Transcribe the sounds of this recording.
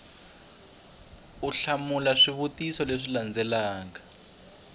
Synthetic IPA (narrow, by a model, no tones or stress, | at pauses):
uɬamulaʂiβutisɔleʂiland͡zɛlaːŋa